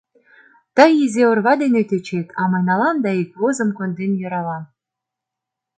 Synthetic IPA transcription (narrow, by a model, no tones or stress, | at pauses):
t̪ɑjizeŏrβɑd̪enet̪et͡ɕet̪ʰɑmɤnɑlɑnd̪ɑikβozɤ̆mkond̪enjɤ̆ɾɑlɑn